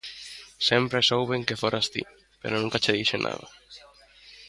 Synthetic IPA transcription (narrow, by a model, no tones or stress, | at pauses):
sempɾesowβeŋkefoɾʔast̪ḭ | pḛɾonũŋkat͡ʃeðiʃenʔa̰ða